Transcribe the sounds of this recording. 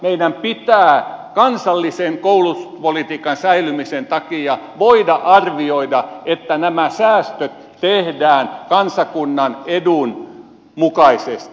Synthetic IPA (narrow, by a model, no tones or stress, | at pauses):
meidæmpit̪æːkɑnsɑlːiseŋkoulupolit̪iːkɑnsæilymisent̪ɑkijɑʋoidɑʔɑrʋioidɑet̪ːænæmæsæːst̪øt̪ | t̪ehdæːnkɑnsɑkunːɑnedun | mukɑisest̪i̥